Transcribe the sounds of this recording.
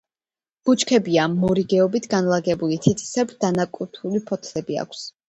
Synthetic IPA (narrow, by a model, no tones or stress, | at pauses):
b̥ut͡ʃkʰɛbiamɔɾiɡɛɔbit̪ʰɡanlˠaɡɛbulit̪ʰit̪ʰʼi̥sɛbd̪̥anakʼut̪ʰulipʰɔt̪ʰlɛbia̰kʷʰs